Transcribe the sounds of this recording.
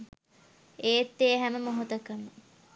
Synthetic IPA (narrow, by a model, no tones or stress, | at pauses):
eːt̪ːeːɦæməmoɦot̪ɐkənːə